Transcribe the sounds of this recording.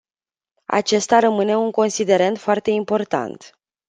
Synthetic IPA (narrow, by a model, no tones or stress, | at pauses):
a̰t͡ʃe̞st̪aɾəmɨne̞uŋko̞nsid̪e̞ɾent̪foart̪e̞impo̞rt̪a̰nt̪